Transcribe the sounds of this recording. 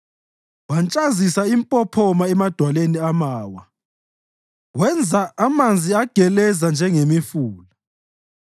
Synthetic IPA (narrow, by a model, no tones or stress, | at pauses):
want͡ʃʼazisaimpʼɔpʰɔmaɛmad̥ʱwaleniamaːwa | wɛnd͡zʱaʔamand͡zʱiaɡ̥ʱɛlɛzand͡ʒʱɛŋemifuːla